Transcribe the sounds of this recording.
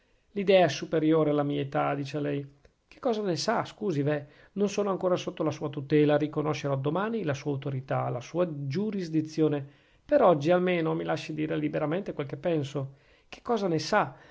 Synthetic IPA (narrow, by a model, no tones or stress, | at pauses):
lid̪ɛːaɛsupeɾjoːɾealːamiːaet̪ad̪iːt͡ʃealɛj | ke̥kːɔːzanesaskuːzive | nonsoːnoaŋkoːɾasot̪ːolasuːat̪ut̪ɛːlaɾikonoʃːeɾoad̪omaːnilasuːaut̪oɾit̪alasuːad͡ʒuɾizd̪it̪sːjoːne | peɾɔd͡ʒːialmeːnomilaʃːid̪iːɾelibeɾament̪ekwelkepːɛnso | k̟e̥kːɔːzanesa